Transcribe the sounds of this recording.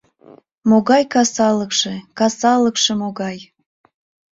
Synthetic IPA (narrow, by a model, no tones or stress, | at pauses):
moɣɑjkɑsɑləkʃekɑsɑləkʃemoɣɑj